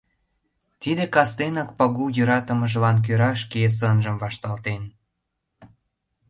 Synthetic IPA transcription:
t̪id̪ekɑst̪enɑk̚pɑɣujøɾɑt̪əməʒəlɑnk̬øɾɑʃkes̬ənʒə̆mvɑʃt̪ɑlt̪en

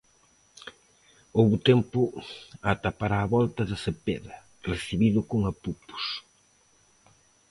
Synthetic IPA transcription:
owβʊt̪empʊat̪apaɾaːβɔlt̪ɐðɐsepeðɐ | reθiβiðʊkʊŋɐpupʊ̥s

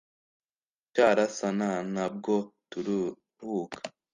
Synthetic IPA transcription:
t͡ʃaɾasananab̚ɡotuɾ | ɾuːkḁ

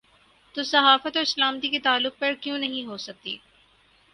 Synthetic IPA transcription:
t̪oːsɐɦaːfət̪ɔːɾɪslaːmt̪iket̪aːlːʊq̚pɐɾkjõnɐɦĩɦoːsɐk̚t̪ḭː

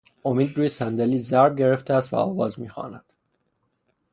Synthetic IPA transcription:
o̞miːd̪ɾuːjesænd̪eliːzæɾbɟe̞ɾeft̪ʰeæst̪væ̰ɒ̰ːvɒːzmiːxɒ̰ːnæd̪̥

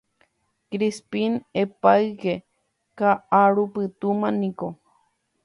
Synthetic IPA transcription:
kɾispinepaɨɡe | kaaɽupɨt̪umaniko

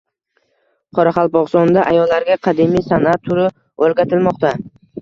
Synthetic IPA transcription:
qʰɒɾaχɑlˠpɒʁsɒnd̪aʔajɒlːaɾɡʲaqʰɑd̪imisanat̪ʰːʊɾɪ | olɡʲat̪ʰɪlmɒqt̪a

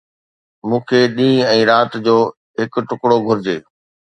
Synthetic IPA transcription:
mũːkʰeːɗĩːɛ̃ːɾaːt̪d͡ʑoː | ɦɪkʈʊkɽoɡʱʊɾɪd͡ʑeː

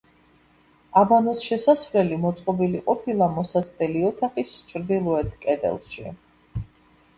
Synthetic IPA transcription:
abanɔsʃɛsasvlɛlimɔt̪sʼqʼɔbiliqʼɔpʰilˠamɔsasʰʼd̪ɛliɔt̪ʰaχist͡ʃʰɾd̪ilˠɔɛt̪ʰkʼɛd̪ɛ̰lˠʃḭ

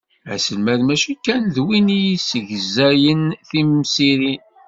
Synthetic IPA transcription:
æ̰səlmæðmæʃikːænðwinijisəʝəzæjənθimsiɾi

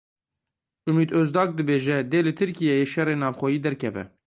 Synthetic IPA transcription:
ʔumiːd̪øzd̪ɑːk̚d̪ɨbeːʒɛd̪eːlɨt̪ʰɨɾkijɛjeːʃɛreːnɑːvxʷɔjiːd̪ɛɾkʰɛvɛ̰

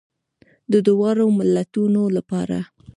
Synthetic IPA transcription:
d̪əd̪ʊwɑɾomɪlːat̪unolapɑɾa̰

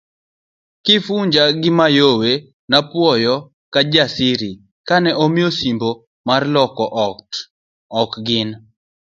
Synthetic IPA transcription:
kɪfuɲd͡ʒaɡɪmajowe | napwɔjɔ | kad͡ʒasɪɾi | kanɛʔomjosimbo | marlɔkɔʔ | ɔkɡɪn

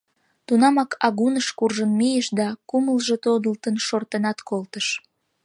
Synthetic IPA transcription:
t̪unɑmɑkɑɣunəʃkurʒənmijəʃd̪ɑkuməlʒet̪od̪əlt̪ənʃort̪ənɑt̪kolt̪əʃ

